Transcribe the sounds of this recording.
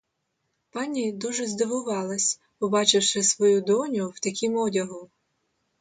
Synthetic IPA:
pɑnʲid̪uʒɛzd̪ɪʋʊʋɑlˠɐsʲ | pɔbɑt͡ʃɪwʃɪsʋɔjud̪ɔnʲʊwt̪ɐkʲimɔdʲɐɦʊ

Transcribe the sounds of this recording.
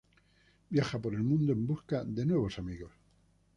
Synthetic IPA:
bjaxapo̞ɾe̞lmũnd̪oe̞mbuskaðe̞nwe̞β̞o̞samiɣo̞s

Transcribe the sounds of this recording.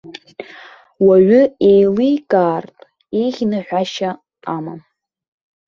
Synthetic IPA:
waɥʏejlijkʼaːrtʼ | ejʁʲnɨħʷᶣaʃaː | mam

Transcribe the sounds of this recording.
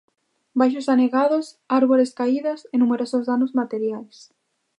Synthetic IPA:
bajʃ̬ʊsaneɣaðos | aɾβoɾeskaiðasenumeɾosozðanʊzmat̪eɾjajs

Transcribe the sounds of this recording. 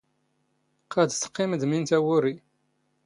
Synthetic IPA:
qʰæd̪sə̥qːɪməd̪mint̪æwʊɾi

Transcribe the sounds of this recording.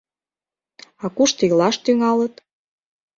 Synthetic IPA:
ɑkuʃt̪ilɑʃt̪yŋɑlət̪

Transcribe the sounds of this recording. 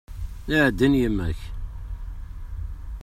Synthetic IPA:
iʕd̪ːinjimːæç

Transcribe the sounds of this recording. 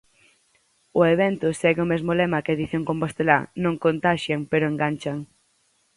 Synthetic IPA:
ʊeβɛnt̪ʊsɛɣeʊmezmolemɐkɪeðiθjoŋkompost̪ela̰nõŋkont̪aʃjaŋpeɾoeŋɡant͡ʃaŋ

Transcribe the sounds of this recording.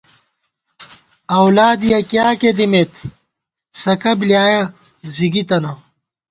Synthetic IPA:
ɐwlaːd̪ijɐkjaːked̪imet̪ | sɐkɐbljaːjɐ | ziɡit̪ɐnɐ

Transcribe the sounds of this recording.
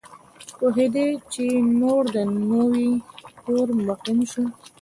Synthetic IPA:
poɦed̪et͡ʃenoɾd̪ənəwit̪oɾmʊqinʃu

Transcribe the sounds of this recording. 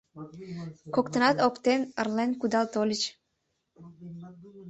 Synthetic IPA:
kokt̪ə̆nɑt̪okt̪enərlenkud̪ɑlt̪olʲit͡ʃ

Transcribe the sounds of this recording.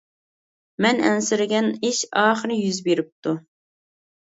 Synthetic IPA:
mɛnɛ̰nsɪɾɪɡʲɛniʃɑːχəɾɪjyzbeɾɪp̚t̪u

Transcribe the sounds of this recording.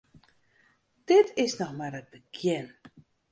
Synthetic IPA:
d̥ɪtʰɪsnɔxmarət̚bəkʰjɪn

